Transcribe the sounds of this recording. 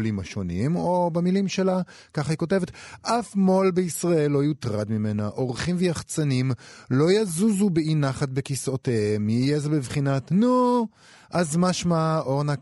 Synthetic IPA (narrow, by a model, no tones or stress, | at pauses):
limaʃo̞nimobamilimʃe̞la | kaχiko̞t̬e̞vetʔafmo̞lbeisʁae̞lːo̞ajut̪ʁad̪mime̞naʔo̞ʁχimvejaχt͡sanimlo̞jazuzubeinaχat̚bekisoteemijezebivχinatnu | ʔazmaʃmaoʁna